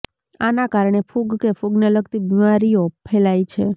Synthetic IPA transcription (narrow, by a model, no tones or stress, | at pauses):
anakaɾɳ̃efʰuɡkefʰuɡneləkt̪ibimaɾijopʰelajt͡ʃʰe